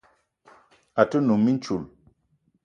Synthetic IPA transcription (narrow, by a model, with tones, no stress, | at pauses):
a˨tɨ˦nu˨mːi˦n˦t͡ʃu˨l